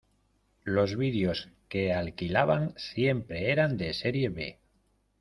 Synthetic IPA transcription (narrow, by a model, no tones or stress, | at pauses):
lo̞zβiðjo̞ske̞alkilaβaŋsje̞mpɾe̞eɾand̪e̞se̞ɾje̞βe̞̰